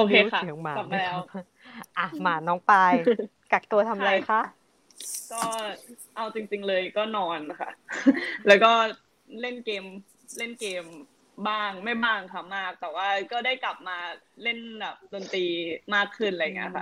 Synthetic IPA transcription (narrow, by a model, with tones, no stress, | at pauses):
ʔoː˧kʰeː˧xʰa˦˥˩ŋmaː˨a˨˩m̚˧lɛː˦˥w | ʔa˧˩maː˩˦nɔː˦˥ŋpaː˧j | ka˨˩k̚t̪u˧ɐt̪ʰa˧mɾa˧jxʰa˦˥ | kɔː˥˩ | ʔa˧wt͡ɕi˧ŋt͡ɕi˧ŋlɤː˧jkɔː˥˩nɔː˧nkʰa̰˥˩lɛː˦˥wkɔː˥˩ | le˥˩nkeː˧m | le˥˩nkeː˧m | baː˥˩ŋma˥˩jbaː˥˩ŋkʰa˧˩maː˥˩k̚t̪ɛː˨˩waː˥˩kɔː˥˩da˥˩jkla˨˩p̚maː˧le˥˩nbɛː˨˩p̚doː˧nt̪iː˧maː˥˩kʰːɯ˥˩nla˧ja˨˩ŋi˦˥ɐkʰa̰˥˩